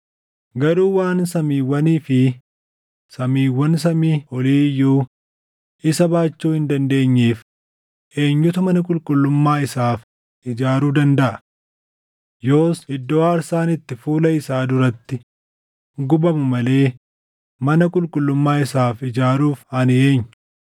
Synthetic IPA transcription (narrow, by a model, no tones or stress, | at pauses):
ɡɐɾuːwaːnsɐmiːwːɐniːfɪ | sɐmiːwːɐns̬ɐmiːɔliːjːuː | ʔɪsɐbaːt͡ʃːuːhɪnd̪ɐnd̪e̞ːɲːeːf | ʔe̞ːɲːʊt̪ɐmɐnɐkʼʊlkʼʊlːʊmːaːɪsaːf | ʔɪd͡ʒaːɾuːd̪ɐnd̪ɐʔɐ | jo̞ːsɪd̪ːoːaːɾsaːnɪt̪ːɪfuːlɐɪsaːd̪ʊɾɐt̪ːɪ | ɡʊbɐmʊmɐle̞ː | mɐnɐkʼʊlkʼʊlːʊmːaːɪsaːfɪd͡ʒaːɾuːfɐnɪeːɲːʊ